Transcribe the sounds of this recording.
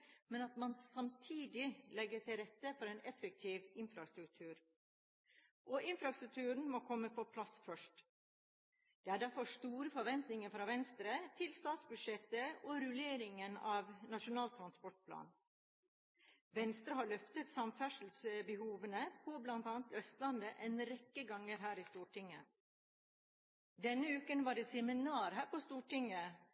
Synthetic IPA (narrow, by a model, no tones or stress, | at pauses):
mɛnɑt̪mɑnsɑmt̪ʰiːd̪ɪlɛɡːəʈ̪ɪlɾɛt̪ːəfɔɾɛːnɛfək̚t̪ʰiːʋɪnfɾɑst̪ɾʉk̚t̪ʰʉːɾ | ʔɔʔɪnfɾɑst̪ɾʉk̚t̪ʰʉːɾɳ̩mɔkʰɔmːəpʰɔpʰlɑsfœʂʈ | d̪̥ɛːæːɖæɾfɔʂt̪uːɾəfɔɾʋɛnt̪nɪŋəɾfɾɑːʋɛnst̪ɾət̪ʰɪlst̪ɑːt̪sbʉd̪ʂɛt̪ːəɔɾʉleːɾɪŋənɑʋnɑʂʊnɑːlt̪ʰɾɑnspɔʈ̚pʰlɑ̰ːn | ʋɛnst̪ɾəɦɑːɭœft̪ət̪sɑmfæʂl̩sbɛhuːʋənəpʰɔblɑnt̪ɑːnət̪œst̪lɑnd̪əʔɛnɾɛkːəɡɑŋːəɾɦæːɾɪst̪uːʈʰɪŋːə | d̪ɛnːəʉːkənʋɑːɖeːsɛmɪnɑːɾhæːɾpɔst̪uːʈɪŋːə